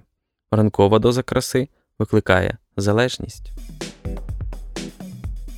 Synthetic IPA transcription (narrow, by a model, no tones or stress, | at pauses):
rɐnkɔʋɐd̪ɔzɐkɾʔɐsɪ | ʋɪklˠɪkɑjɛ̰ | zɐlˠɛʒnʲḭsʲtʲ